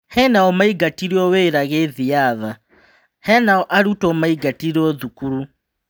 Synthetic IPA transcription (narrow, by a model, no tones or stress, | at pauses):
hɛnaɔmaiɡatiɾiɔweːɾaɣeðiaða | hɛnaɔʔaɾutɔmaiɡatiɾɔðukuɾu